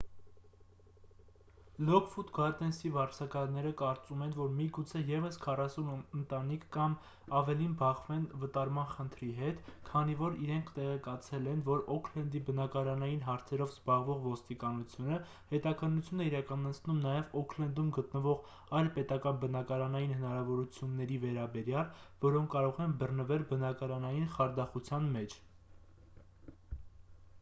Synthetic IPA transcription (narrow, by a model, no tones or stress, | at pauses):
lɔkfut̪ɡɑɾd̪ɛnsivɑɾt͡sʰɑkɑɾnːɛɾəkɑɾt͡sumɛnvɔɾmiɡut͡sʰɛjɛvəskʰɑrɑsunənt̪ɑnikʰːɑm | ɑvɛlinbɑχvɛnvət̪ɑɾmɑnχənt̪ʰɾiɦɛt̪kʰɑnivɔɾiɾɛŋkʰt̪ɛʁɛkɑt͡sʰɛlɛnvɔɾɔkʰlɛnd̪ibənɑkɑɾɑnɑjinɦɑɾt͡sʰɛɾɔvzbɑʁvɔʁvɔst̪ikɑnut͡sʰjunə | hɛt̪ɑkʰənːut͡sʰjunɛiɾɑkɑnɑt͡sʰnumnɑjɛvɔkʰlɛnd̪umɡət̪nəvɔʁ | ɑjlpɛt̪ɑkɑnbənɑkɑɾɑnɑjinhənɑɾɑvɔɾut͡sʰjunːɛɾivɛɾɑbɛɾjɑlvɔɾɔŋkʰːɑɾɔʁɛnbərnəvɛlbənɑkɑɾɑnɑjinχɑɾd̪ɑχut͡sʰjɑnmɛt͡ʃʰ